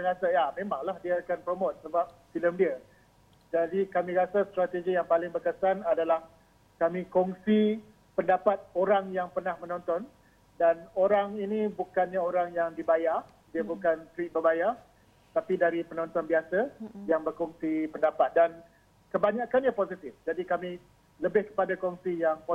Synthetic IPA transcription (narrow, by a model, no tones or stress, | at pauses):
ɾasaamẽmaŋlahdiəakanpɾomot̪̚səbap̚filəmdiə | d͡ʒadikamĩɾasast̪ɾat̪ed͡ʒijaŋpalɪŋbərkəsanadalah | kamĩkɔŋsi | pəndapat̪̚oɾaŋjaŋpərnahmə̃nɔ̃nt̪ɔn | danoɾaŋinibukanɲaoɾaŋjaŋdibajar | diəbukant̪ɾik̚bərbajar | t̪apidaɾipənɔ̃nt̪ɔnbiasajaŋbərkɔŋsipəndapat̪̚dan | kəbaɲakanɲapozit̪ɪfd͡ʒadikamĩ | ləbɪhkə̥padakɔŋsijaŋp